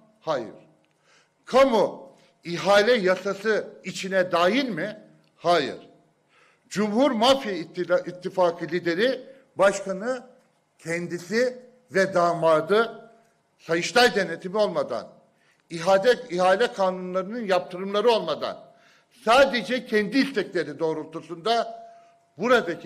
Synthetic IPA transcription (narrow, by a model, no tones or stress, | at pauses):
haːjɯ̰ɾ̥ | kʰamu | iɦaːlʲɛjasasɯit͡ʃʰinɛd̪aːjilʲmɪ | haːjɯ̰ɾ̥ | d͡ʒumhuɾmafjiʔit̪ʰːifaːkʰɯlʲid̪e̞ɾi | baʃkanɯ | cʰɛnd̪isi | vɛd̪aːnvaɾd̪ɯ | sajɯʃlˠajd̪e̞net̪ʰimio̞lˠmad̪a̰n | iɦaːd̪ɛiɦaːlʲɛkʰaːnunlˠaɾɯnɯnjap̚t̪ʰɯɾɯmlˠaɾɯo̞lˠmad̪a̰n | saːd̪ed͡ʒɛcʰɛnd̪iist̪ʰɛcʲlʲe̞ɾid̪o̞ːɾulˠt̪ʰusund̪a | buɾad̪a